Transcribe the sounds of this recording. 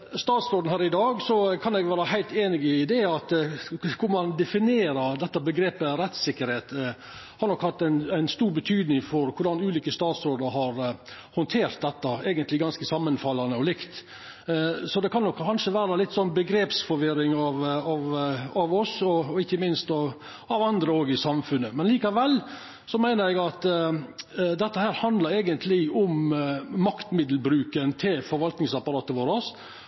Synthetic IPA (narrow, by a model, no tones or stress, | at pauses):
st̪ɑːt̪sɾoːd̪n̩hæːɾɪd̪ɑːɡsɔkʰɑnɛɡʋæːɾəhæɪlt̪eːnɪɡɪɪd̪eɑt̪kʰʊɾmɑnd̪ɛfɪneːɾəɾd̪ɛt̪ːəbəɡɾeːpəɾɛt̪sɪkːəɾheːt̪ | hɑɾɳɔkhɑt̪ːænæɪnst̪uːɾbət̪ʰyːd̪nɪŋfɔɾkʰʊɾɖɑnʉːliːkəst̪ɑːt̪sɾoːd̪əɾhɑɾ | hɔnt̪ʰeːɾt̪̚d̪ɛt̪ːəæːɡənt̪lɪɡɑnskəsɑmːənfɑlɑnəɔlɪkt̪ | sɔd̪ɛkʰɑnːɔkːʰɑnʂəʋæːɾɑlɪt̪ːsɔnbəɡɾeːpsfɔɾʋɪɾɪŋɑʋɑʋɑʋɔsɔɔɪçːəmɪnst̪ɑ | ɑʋɑnd̪ɾəoːɡɪsɑmfʉnːəmɛnliːkɑʋɛl | sɔmæɪnəɾæɡɑt̪ | d̪ɛt̪ːəhæːɾhɑnd̪lɑɾæːɡənt̪ʰlɪʊmː | ɑkt̪mɪd̪l̩bɾʉːkənt̪ʰɪlfɔɾʋɑlt̪nɪŋsɑpɑɾɑːt̪əʋoːɾɑs